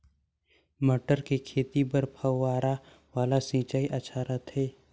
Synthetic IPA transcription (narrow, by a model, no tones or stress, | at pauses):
məʈəɾkekʰeːt̪ipəɾpʰəːaːɾa | ʋaːlasĩːt͡ʃaːiʔɐt͡ʃʰaɾɐt̪ɦɛː